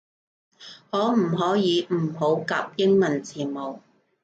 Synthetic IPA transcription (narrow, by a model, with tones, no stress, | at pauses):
hɔː˨˥m̩˨˩ɦɔː˨˥jiː˨˧m̩˨˩ɦo˨˥wkaː˧p̚jɪ˥ŋmɐ˨˩nt͡sʰiː˨˩mo˨˩w